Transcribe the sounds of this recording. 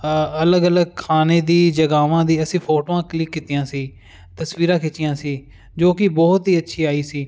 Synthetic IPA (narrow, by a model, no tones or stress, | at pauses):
ələɡələɡ̚kʰaːneːd̪iːd͡ʒəɡaːʋãːd̪iːəsĩːpʰoːʈoːãːklɪkːɪt̪iːãːsiː | t̪əsʋiːɾãːkʰɪt͡ʃːɪjãːsiː | d͡ʒoːkɪbɔːt̪ɦiːətːʃʰiːaːiːsiː